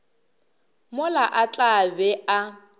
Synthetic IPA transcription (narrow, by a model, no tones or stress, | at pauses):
mʊlaʔat͡ɬʼabɛa